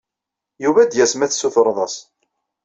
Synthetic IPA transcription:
juvæd̪jæsmæθsuθɾˤðˤɑs

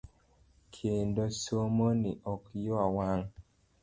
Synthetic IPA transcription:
kʰendosomoniʔɔkjoawaŋ

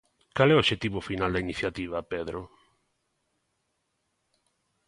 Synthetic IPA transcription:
kalɛoʃet̪iβʊfinald̪ainiθjat̪iβ̞ɐpeðɾʊ

